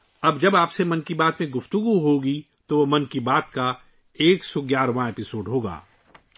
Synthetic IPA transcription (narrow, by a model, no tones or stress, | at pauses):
ɐbd͡ʒɐbaːpsemɐnkibaːt̪mẽɡʊft̪ʊɡuɦoːɡi | t̪oʋomɐnkibaːt̪ka | eːksɔːɡjaːɾʋãepɪsoːɖɦoːɡa̰ː